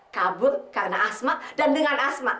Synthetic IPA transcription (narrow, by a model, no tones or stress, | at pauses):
kabʊrkarənaʔasmaʔdandəŋanasmaʔ